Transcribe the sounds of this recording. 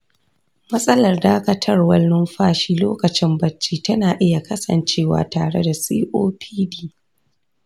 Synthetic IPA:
mɐ˦sʼɐ˦lɐ˨rdaː˦kɐ˦tʰɐ˦rwɐ˦lːʊ˦mɸaː˦˨ʃiː˦loː˦kɐ˨t͡ʃɪ˦mbɐ˨t͡ʃːiː˦tɐ˦naː˨ʔɪ˦ja˨kɐ˦sɐ̰˨nt͡ʃeː˦wa̰ː˨taː˨ɽḛ˦da˨siː˦ʔoː˦pʰiː˦diː˦

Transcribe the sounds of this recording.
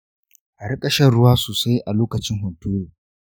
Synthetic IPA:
ʔa˨ɽɐ˦kʼɐ˦˨ʃɐ˦ɽʊ˦waː˦soː˨sa˦jʔa˨loː˦kɐ˨t͡ʃɪ˦ŋɦʊ˨ntuː˦ɾoː˨

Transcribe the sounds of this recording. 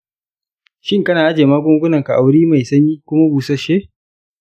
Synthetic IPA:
ʃɪ˦ŋkɐ˦naː˨ʔa˦d͡ʒeː˨maː˦ɡʷʊ˦ŋɡʷʊ˦nɐ˨ŋka˨ʔa˨wɾiː˦ma˨jsɐ˦ɲiː˦kʷʊ˦ma˦buː˨sɐ˦ʃe˦

